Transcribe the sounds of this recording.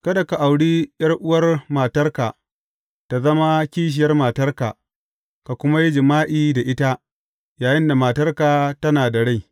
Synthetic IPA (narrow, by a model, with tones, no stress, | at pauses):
kɐ˦da˨ka˨ʔa˨wɽiː˦jɐ˦rʔʊ˦wɐ˦rmaː˨tɐ˦rkaː˨ | ta˨zɐ˦ma˦kʲiː˦ʃ̬ɪ˨jɐ˦rmaː˨tɐ˦rka̰ː˨ | ka˨kʷʊ˦ma˦ji˦d͡ʒɪ˨maː˦ʔiː˦da˨ʔɪ˦ta˦ | jaː˨jɪ˦nda˨maː˨tɐ˦rkaː˨tɐ˦naː˨da˨ɽa˦˨j